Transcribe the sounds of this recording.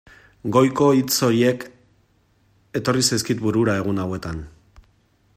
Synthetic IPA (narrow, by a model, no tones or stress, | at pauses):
ɡo̞jko̞it͡so̞ɾie̞k | e̞t̪o̞risajskit̪buɾuɾae̞ɣ̞unawe̞t̪an